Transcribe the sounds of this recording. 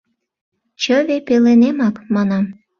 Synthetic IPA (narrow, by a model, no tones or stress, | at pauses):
t͡ɕəβepelenemɑkmɑnɑm